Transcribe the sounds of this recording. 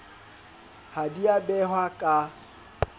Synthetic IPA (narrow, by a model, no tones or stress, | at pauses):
hadiabɛhwakʼa